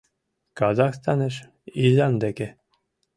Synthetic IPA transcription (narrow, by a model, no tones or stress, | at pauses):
kɑzɑxst̪ɑnɤʃ | izɑnd̪eke